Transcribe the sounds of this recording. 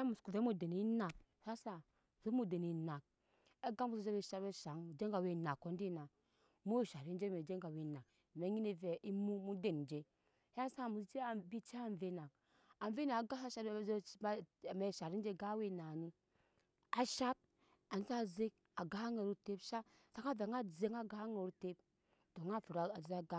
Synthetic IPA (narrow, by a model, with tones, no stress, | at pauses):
a˦mu˨sku˨ve˨˦mu˦˨de˨ni˨˦na˨k̚ | ha˦sa˦˨ | zo˦mu˦˨de˨ni˨na˨k̚ | e˦ɡa˦mu˦sze˦we˨ʃa˦ɾbe˦ʃa˨˦ŋ˨d͡ʒe˦ŋɡa˨we˦˨na˨kːo˦n˦di˦na˨ | mo˦wi˨ʃa˨ɾi˦n˦d͡ʒe˦˨e˨d͡ʒe˦ŋɡa˨we˨na˨k | me˨˦ɲi˦ni˨ve˨ʔi˦mu˦mu˦de˨n˨d͡ʒe˦ | ha˦sa˦˨mu˨sd͡ʒe˦a˨bi˦t͡ʃe˦a˦˨n˨ve˦na˨k̚ | a˨ve˦na˨ɡa˦sa˦ʃa˦˨˦ | me˨ʃa˨ɾi˦d͡ʒe˦ɡa˦we˦na˨ni˦ | a˨ʃa˦t̚ | a˨ni˦za˦˨ze˦k̚ | a˨ɡa˦a˦ŋe˨ɾu˦te˦pʃa˦ | sa˨ka˦ve˨˦ŋa˦ze˨˦ŋa˦ɡa˦a˦ŋe˨ɾu˦te˦p̚ | to˨ŋa˦˨fu˨ɾa˨a˨d͡ʒi˨za˦ɡa˦